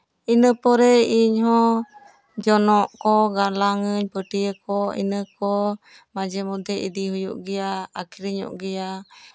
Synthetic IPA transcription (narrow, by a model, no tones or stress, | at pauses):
inəpɔɾɛiɲɦɔ | d͡ʒɔnɔʔkɔɡalaŋəɲpəʈiəkɔḭnəkɔ | mad͡ʒəmud̪ɛḭd̪iɦujṵʔɡijaakʰiɾiɲɔ̰ʔɡija